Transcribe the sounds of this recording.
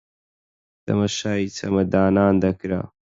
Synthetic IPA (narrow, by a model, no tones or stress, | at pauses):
d̪̥ɐ̰mɐʃaːit͡sɐmɐd̪aːnaːnd̪ɐkɾa̰ː